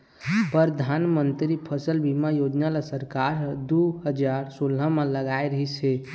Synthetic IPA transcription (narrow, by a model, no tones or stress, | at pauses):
pəɾd̪ʱanmənt̪ɾipʰəsəlbimajod͡ʒnalasəɾkaɾd̪uɦəd͡ʒaɾsolɦəmẽləɡaeɾəɦit͡ʃʰɛ